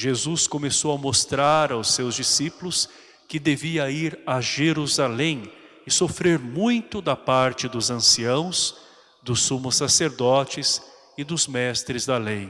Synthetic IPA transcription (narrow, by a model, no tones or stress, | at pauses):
ʒezuskõmesowɐmost̪ɾaɾawsːewzd͡ʒisipʊlʊs | kɪd̪eviɐiɾaʒeɾuzalẽj̃ | ɪsofɾeɾmũj̃t̪ʊd̪ɐpaɾt͡ʃɪd̪ʊzɐ̃siɐ̃w̃s | d̪ʊsːumʊsaseɾd̪ɔt͡ʃɪs | ɪd̪ʊzmɛst̪ɾɪzd̪ɐlej